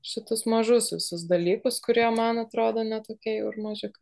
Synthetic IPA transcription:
ʃʲɪt̪ʊsmɐʒʊsʲʊsʲʊs̬d̪ɐlʲiːkʊskʊɾʲiɛmɐnɐt̪ɾoːd̪oːnʲɛt̪oːkʲɛɪʊrmɐʒʲɪkɐ

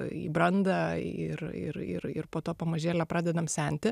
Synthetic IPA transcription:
ḭːbɾɐnd̪ɐɪrɪ̰ɾɪ̰ɾɪrpoːt̪oːpɐmɐʒʲeːlʲɛpɾɑːd̪ʲɛd̪ɐmsʲɛˑnʲt̪ʲɪ

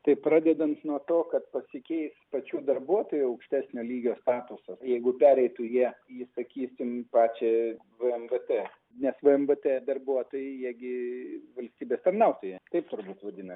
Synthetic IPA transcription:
t̪ɐɪpɾrɑːd̪ʲɛd̪ɐnt̪nuɔt̪oːkɐt̪̚pɐsʲɪkʲɛɪspɐt͡ʃʲuːd̪ɐrbuɔt̪oːjuɐʊkʃʲt̪ʲæːsʲnʲoːlʲiːɡʲoːst̪ɑːt̪ʊsɐjɛɪɡʊpʲæːɾʲɛɪt̪ujiɛisɐkʲiːsʲɪmpɑːt͡ʃʲɛ | ʋɨɛmʋət̪e | nʲɛsʋɨɛmʋət̪ed̪ɐrbuɔt̪oːjɛɪjæːɡʲɪʋɐlʲsʲt̪ʲiːbʲeːst̪ɐrnɐʊt̪oːjɛt̪ɐɪpt̪ʊɾbuːt̪ʋɐd̪ʲɪnɐ

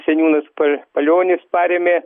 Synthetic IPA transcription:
sʲɛnʲuːnɐspɐpɐlʲoːnʲɪspɑːɾʲeːmʲe

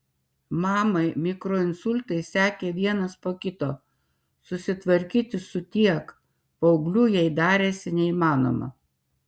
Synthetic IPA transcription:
mɑːmɐɪmʲɪkɾoːɪnsʊlʲt̪ɐɪsʲæːkʲeːʋʲiɛnɐspoːkʲɪt̪oː | sʊsʲɪt̪ʋɐɾʲkʲiːt̪ʲɪsʊt̪ʲiɛk | pɐʊɡlʲʊjɛɪd̪ɑːɾʲeːsʲɪnʲɛimɑːno̰ːmɐ̰

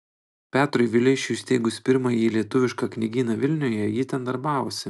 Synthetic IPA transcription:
pʲæːt̪ɾʊjʋʲɪlʲɪʃʲʊːsʲt̪ʲeːɡʊspʲɪɾmɑjiːlʲiɛt̪ʊʋʲɪʃkɑknʲɪɡʲiːnɐʋʲɪlʲnʲoːjɛjiːt̪ʲɛnd̪ɐɾbɑːʋoːsʲɪ

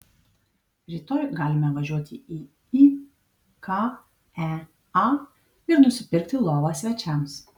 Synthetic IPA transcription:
ɾʲɪt̪oːjɡɑːlʲɪmʲɛʋɐʒʲuɔt̪ʲɪiː | i | kɑ | æ | ɑ | ɪɾnʊsʲɪpʲɪɾʲkt̪ʲɪlˠoːʋɑsʲʋʲɛt͡ʃʲɛms

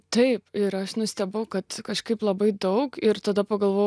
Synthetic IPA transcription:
t̪ɐɪpɪɾɐʃnʊsʲt̪ʲɛbɐʊkɐt̪kɐʃkɐɪplˠɐbɐɪd̪ɐʊkɪɾt̪ɐd̪ɐpɐɡɐlˠʋoː

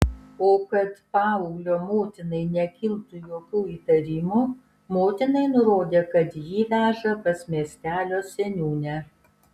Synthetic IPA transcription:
oːkɐt̪pɑːʊɡlʲoːmoːt̪ʲɪnɐɪnʲɛkʲɪlˠt̪ʊjoːkʲuːiːt̪ɐɾʲɪmu | moːt̪ʲɪnɐɪnʊɾoːd̪ʲeːkɐt̪jiːʋʲæːʒɐpɐsmʲiɛsʲt̪ʲæːlʲoːsʲɛnʲuːnʲɛ

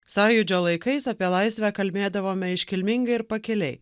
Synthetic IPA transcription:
sɑːjʊd͡ʒʲoːlˠɐɪkɐɪsɐpʲiɛlˠɑɪsʲʋʲækɐlʲbʲeːd̪ɐʋoːmʲɛɪʃʲkʲɪlʲmʲɪŋɡɐɪɾpɐkʲɛlʲɛɪ

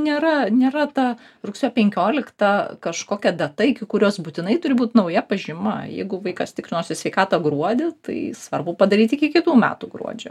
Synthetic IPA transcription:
nʲeːɾɐnʲeːɾɐt̪ɐ | rʊksʲoːpʲɛŋʲkʲoːlʲɪkt̪ɐkɐʃkoːkʲɛd̪ɐt̪ɐɪkʲɪkʊɾʲoːsbʊt̪ʲɪnɐɪt̪ʊɾʲɪbuːt̪nɐʊjɛpɐʒʲɪmɐ̰jɛ̰ɪɡʊʋɐɪkɐst̪ʲɪkɾʲɪnoːsʲɪsʲʋʲɛɪkɑːt̪ɐɡɾuɔd̪ʲɪt̪ɐ̰ɪsʋɐrbʊpɐd̪ɐɾʲiːt̪ʲɪkʲɪkʲɪt̪uːmʲæ̰ːt̪uːɡɾṵɔd͡ʒʲo

